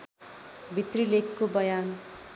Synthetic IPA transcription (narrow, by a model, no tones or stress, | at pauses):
bʱit̪rilekʰːobʌjan